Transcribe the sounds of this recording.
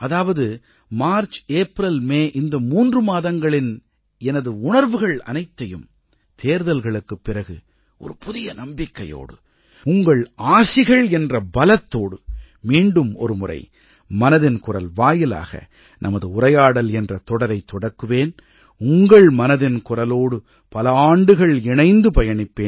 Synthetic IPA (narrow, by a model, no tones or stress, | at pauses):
ɐðaːʋɐðɯ | maːɾt͡ʃeːpɾɐlmeːʔɪnd̪ɐmuːndrɯmaːðɐŋɡɐɭɪn | ɛnɐðɯʊnɐɾʋɯɣɐɭɐ̰nɐɪt̪ːɐjɯm | t̪ʰeːɾðɐlɣɐɭɯkːɯpːɪrɐɣɯ | ʔɔ̰ɾɯpʊðɪjɐnɐmbɪkːɐjo̰ːɽɯ | ʊŋɡɐɭaːsɪɣɐɭɛndrɐbɐlɐt̪ːoːɽɯ | miːɳɖɯmɔ̰ɾɯmʊrɐ̰ɪ | mɐnɐðɪnkʊrɐ̰lʋaːjɪla̰ːɣɐ̰ | nʔɐmɐðɯʊrɐjaːɽɐlɛndrɐt̪ɔɽɐɾɐɪt̪ːɔɽɐkːɯʋeːn | ʊŋɡɐɭmɐnɐðɪnkʊrɐloːɽɯ | pɐlɐaːɳɖɯɣɐɭɪɳɐɪnd̪ɯpɐjɐɳɪpːeːn